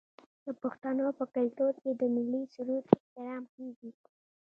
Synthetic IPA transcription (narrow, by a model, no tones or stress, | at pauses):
d̪̥əpoxt̪anopəkalt̪od̪̚ked̪əmɪlːisuɾut̪ɪht̪ɪɾɑmkeɡi